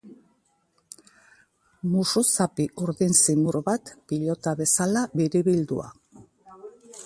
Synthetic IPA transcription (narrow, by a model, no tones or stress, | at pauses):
mususapiuɾðinsimuɾβat̪piʎo̞t̪aβe̞salaβiɾiβild̪ṵa̰